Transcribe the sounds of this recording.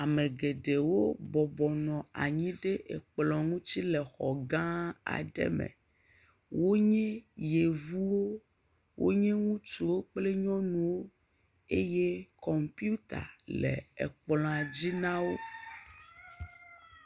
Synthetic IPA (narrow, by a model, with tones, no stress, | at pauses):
a˨mẽ˨ɡe˨ɖe˨wo˦bɔ˨bɔ˨nɔ̃˨a̰˨ɲĩ˦ɖe˦ʔḛ˨k͡plɔ̃˨ŋũ˦t͡ɕi˦lɛ˨xɔ˨ɡã˦a̰˨ɖɛ̰˦mɛ̰̃˨ | wo˦ɲɛ̃˦je˨vu˦wo˦ | wo̰˦ɲɛ̃˦ŋũ˦t͡ʃu˨wo˦k͡ple˦ɲɔ̃˦nũ˨wo˦ | e˦je˦kɔ˨mpi˦u˦t̪a̰˨lɛ̰˨ɛ̰˨k͡plɔ̃˨a˨d͡ʑi˦nã˦wo˦